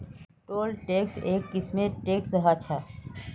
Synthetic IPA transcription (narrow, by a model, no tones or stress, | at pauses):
ʈoːlʈeːkseːkːɪsmẽʈeːksəɦat͡ʃʰa